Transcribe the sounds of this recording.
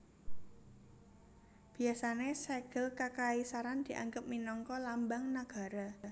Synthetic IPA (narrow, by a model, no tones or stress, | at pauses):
b̥i̤asaneseɡ̥əlkakaisaɾand̪̥i̤ʔa̰ŋɡəp̚minɔŋkɔlambaŋnaɡ̥a̤ɾa